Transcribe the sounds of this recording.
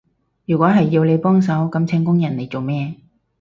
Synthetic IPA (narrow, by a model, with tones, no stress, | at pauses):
jyː˨˩kʷɔː˨˥ɦɐ˨jːiː˧wle˨˧jpɔː˥ŋsɐ˨˥wkɐ˨˥mt͡sʰɛ˧ŋkʊ˥ŋjɐ˨˩nle˨˩jt͡so˨wmɛː˥